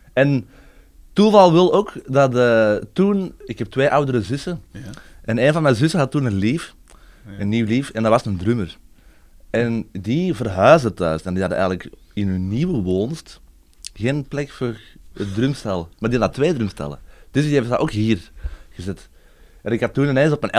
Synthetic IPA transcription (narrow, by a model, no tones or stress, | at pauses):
ɛn | tuvɑlˠʋɪlˠoːkdɑtətunɪkhɛp̚tʋeːʔɑwdəɾəzʏsə | ʔɛneːnvɑnmɛnzʏsəɦɑtːuːnənliːf | ənːiːwliːfɛndɑʋɑsəndrʏmər | ʔɛndivərɦœːzdətœːsɛndiɦɑdə̰ʔɛ̰ːɣənlək | ɪnɦɵnniːwəʋoːnst | ɣeːnplɛkfoːrət̚drymstɛlˠəmardiɑndɑtʋeːdrymstɛ̰lə̰d̥ʏsdieftdaʔoːkɦiːrɣəzɛt | ʔɛnɪkhɑtːuːnənɛːnsɔp̚mɛnʔɛ